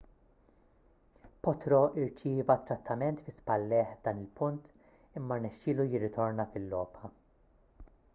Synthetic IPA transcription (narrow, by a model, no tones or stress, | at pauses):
pɔt̪ɾɔʔɪɾt͡ʃiːvɐt̪ːɾɐt̪ʰːɐmɛnt̪fɪspɐlːɛːħvd̪ɐːnɪlpʊnt̪ | ɪmːɐɾnɛʃːɪːlujɪrːɪt̪ɔɾnɐfɪlːɔːpħɐ